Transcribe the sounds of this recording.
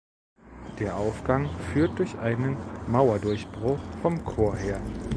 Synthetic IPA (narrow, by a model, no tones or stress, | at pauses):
d̥eːɐʔaʊfɡ̥aŋfyːɐt̚d̥ʊɐçʔaɪnənmaʊɐdʊɐçb̥ʁʊχfɔmkʰoːɐɦeːɐ